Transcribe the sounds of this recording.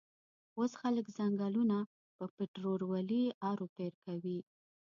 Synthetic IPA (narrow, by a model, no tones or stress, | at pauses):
osxaləkzaŋɡɑluna | pəpɪʈɾoɾwaliɑɾopeɾkawi